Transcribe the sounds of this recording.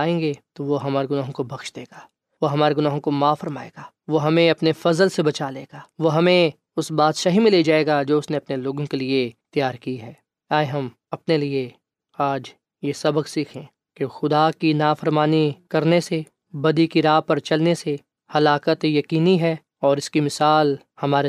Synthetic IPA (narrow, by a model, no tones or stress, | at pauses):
aːẽːŋɡet̪oʋoɦɐmaːɾeɡʊnaːɦõkobʱɐkʃd̪eːɡaː | ʋoɦɐmaːɾeɡʊnaːɦõkomaːfɐɾmaːḛːɡaː | ʋoɦɐmẽɐpnefɐzəlsebɐt͡ʃaːleːɡaːʋoɦɐmẽ | ʊsbaːd̪ʃaːɦimɪled͡ʒaːeːɡad͡ʒoːʊsneɐpneloːɡõkeliet̪jaːɾkiɦɛː | aːjɦɐm | ɐpnelie | aːd͡ʒ | jesɐbəqsiːkʰẽː | kexʊd̪akinaːfəɾmaːnikɐɾnese | bɐd̪ikiɾaːɦpɐɾt͡ʃɐlnese | hɐlaːkət̪jɐkiːniɦɛː | ɔːɾɪskimɪsaːl | hɐmaːɾe